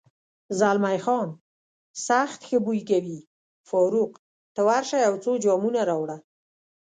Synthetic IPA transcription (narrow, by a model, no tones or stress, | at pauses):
zalmajxɑn | saxt̪xəbujkawi | fɔɾuq | t̪əwaɾʃajawt͡sod͡ʒɑmunaɾɑwɽa